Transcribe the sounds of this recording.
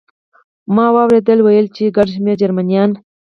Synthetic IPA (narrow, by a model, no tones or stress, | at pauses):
mɑwɑwɾed̪əlwajəlt͡ʃeɡaɖʃmeɾd͡ʒaɾmanijɑn